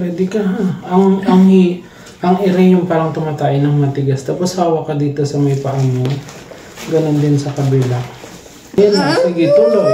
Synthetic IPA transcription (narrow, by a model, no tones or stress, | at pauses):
pwɛːd̪ɪkɐɦaʔɐŋʔɐŋhɪ | ʔɐŋʔɪɾɛɲʊŋpaːɾɐŋt̪ʊmat̪aːʔɪnɐŋmɐt̪ɪɡasd̪abɐsaːwɐkɐd̪iːt̪o̞sɐmɐjpɐʔɐɲo | ɡɐnond̪ɪnsɐkɐbɛla | janasɪɡɪt̪ulo